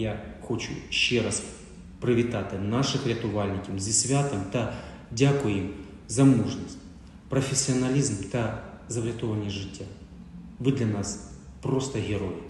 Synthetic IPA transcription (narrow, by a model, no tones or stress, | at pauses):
jaxot͡ʃʊ̰ɕːɛɾas | pɾɨʋʲɪt̪at̪ɨnaʂɨxɾʲɪt̪ʊʋalʲnʲɪkʲɐmzʲɪsʲʋʲat̪ɨmt̪ɐ | dʲakʊjim | zɐmuʐnɐsʲtʲ | pɾɐfʲɪsʲːɪɐnɐlʲizmt̪ɐ | zɐvɾʲɪt̪ovɐnʲɪjəʐɪtʲːa | vɨd̪lʲɐnas | pɾost̪ɐɣʲɪɾojɪ